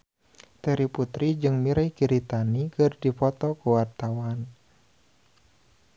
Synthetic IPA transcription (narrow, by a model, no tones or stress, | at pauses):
t̪ɛɾiput̪ɾid͡ʒɨŋmiɾajkiɾit̪anikɨrdipɔt̪ɔkuwart̪awan